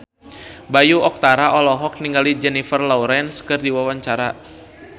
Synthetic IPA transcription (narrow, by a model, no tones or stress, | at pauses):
bajuɔk̚t̪aɾaʔɔlɔɦɔk̚niŋɡalid͡ʒɛnifərlɔuɾɛnskɨrdiwawaɲt͡ʃaɾa